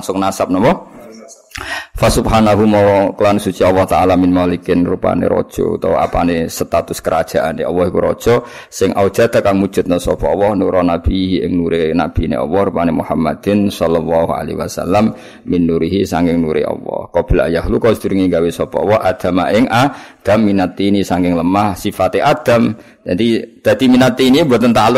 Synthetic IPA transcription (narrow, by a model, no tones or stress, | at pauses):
ŋsʊŋnasap̚nɔmɔ | fasubhanaɦumɔkəlanusut͡ʃiɑlːɔht̪aʔalamɪnmalikɪnrupa̰nḛɾɔ̰d̥ʒ̥ɔ̰ṵt̪ɔwa̰pa̰nesət̪at̪ʊskəɾad̥ʒ̥a̤ʔaneɔwɔhikuɾɔ̰d̥ʒ̥ɔ | sɪŋʔaud̥ʒ̥ad̪̥a̤kaŋmud̥ʒ̥ʊ̤t̪̚nasɔpɔɔwɔhnuɾɔnab̥iɦiɪŋnuɾenab̥i̤nḛʔɔ̰wɔhɾupanemuhamːad̪̥ɪnsɔlɔlːɔhua̰lewasa̰lːamː | inːuɾiɦisaŋkɪŋnuɾḛʔɔ̰wɔ̰hkɔb̥i̤lajaɦlukɔsd̪uɾiŋeŋɡawesɔpɔ̰wɔhʔad̪̥a̤maʔɪŋʔad̪̥amːinat̪ːiːnisaŋkɪŋləmahsifat̪eʔad̪̥a̤m | d͡ʒad̪id̪̥a̤d̪̥iminat̪iːnibuat̪ənt̪alʊ